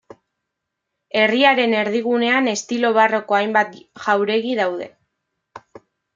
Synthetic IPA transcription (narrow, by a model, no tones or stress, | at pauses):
e̞riaɾe̞ne̞ɾðiɣ̞une̞ane̞st̪ilo̞β̞aro̞ko̞ajmbat̪ʝawɾe̞ɣiðawð̞e̞̰